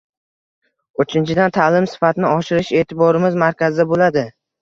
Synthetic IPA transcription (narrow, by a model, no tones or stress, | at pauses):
ɵt͡ʃʰɪnt͡ʃʰɪd̪ant̪ʰaːlɪmsɪ̥fat̪ʰɪnɪɒʃɪɾɪʃe̞ːt̪ʰɪbɒɾɪmɪzmaɾkʲazɪd̪abolad̪ɪ